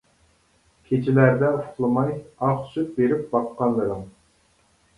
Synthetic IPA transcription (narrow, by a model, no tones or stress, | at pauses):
kʲʰet͡ʃʰilæɾd̪ɛʊ̥χlˠɨmɑjɑχʃut̪̚beɾɪp̚bɑqːɑnlˠəd̪ɨŋ